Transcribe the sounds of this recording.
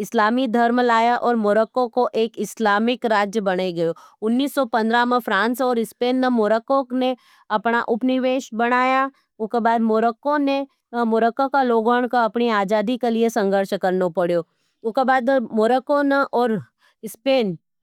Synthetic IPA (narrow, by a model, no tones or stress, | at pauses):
ɪslaːmid̪ʱɐɾmlaːjaʔɔːɾmoːɾəkõkoʔeːkɪslaːmɪkɾaːd͡ʒjəbɐɽeɡɐjoːʊnːiːsːɔpɐ̃nd̪ɾamẽfɾãːnsɔːɾɪspeːnːemoːɾəkõkne | ɐpnaʔʊpnɪʋeːʃbɐɽ̃aːja | ʊskebaːd̪moɾəkõne | moːɾəkːokaloːɡɔːɽ̃koɐpniaːd͡ʒaːd̪ikeliesɐ̃ŋɡʱəɾʃkɐɾnopɐɽjoː | ʊkebaːd̪moːɾəkõneʔɔːɾ | ɪspeːn